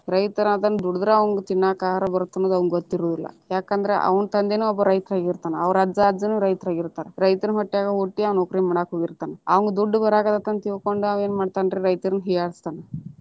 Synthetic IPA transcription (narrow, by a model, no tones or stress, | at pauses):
ɾɐjt̪ɐɾaːd̪ɐnːud̪uɽud̪ɾeɐʋɐŋɡet̪iɳːaːkaːɦaɾɐbɐɾut̪ːɐnːod̪ɐʋɐŋɡɡot̪ːiɾoːd̪ilːɐ̰jaːkɐnd̪ɐɾḛʔɐ̰ʋɐnt̪ɐnd̪eːnuːɔbːɐɾɐjt̪ɾaːɡiɾt̪aːneɐʋɐɾɐd͡ʒaːd͡ʒɐnuːɾɐjt̪ɾaːɡiɾt̪aːɾeɾɐjt̪ɐnɦɐʈːijaːɡɐɦoʈːiɐʋɐnokɾimɐɽaːkɦoɡiɾt̪aːneɐʋɐŋɡed̪uɖːubɐɾaːɡɐd̪ɐt̪ːɐnt̪iʋkoɳɖuaʋe̞ːnmaːɖt̪aːnɖɾeɾɐjt̪ɐɾnɦijaːɽist̪aːne